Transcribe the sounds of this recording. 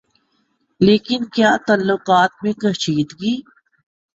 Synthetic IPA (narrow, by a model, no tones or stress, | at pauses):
leːkɪnkjaːt̪ɐlːoqaːt̪̚mẽkəʃiːd̪ɡiː